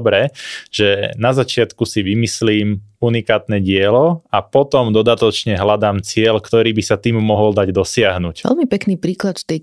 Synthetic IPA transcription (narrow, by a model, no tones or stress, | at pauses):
bɾɛʒ̥ɛnazat͡ʃɪat̪kusiʋimisliːmunikaːt̪nɛɟɪɛlɔapɔt̪ɔmd̪ɔd̪at̪ɔt͡ʃɲɛɦlad̪aːmt͡sɪɛʎkt̪ɔɾiːbisat̪iːmːɔɦɔld̪aɟd̪ɔsɪaɦnucɛ̰lmipɛkniːpɾiːklat̪ft̪ɛj